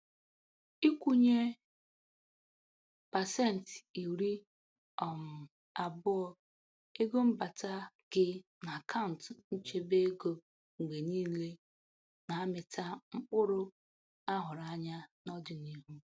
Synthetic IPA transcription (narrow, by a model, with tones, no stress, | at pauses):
i˦kʷu˦ɲe˦ | pa˨se˦˨n̩˨ti˨ɾi˦ | ɔ˨m̩˨ | a˨bʊ˦ɔ˦ | e˦ɡo˦m̩˦ba˨ta˦ | ɡ̥ɪ˦na˨a˨kʰa˦ʊ˨n̩˨tn̩˦t͡ʃe˦be˦ɡo˦ | ŋ͡m̩˨ɡ͡be˨niː˦le˦ | na˨a˦mɪ˨tʰa˦ŋ͡m̩˦k͡pʊ˦ɾʊ˦ | a˦ɦʊ˨ɾa˦˨ɲa˦nɔ˦dɪ˨ni˦ɦu˦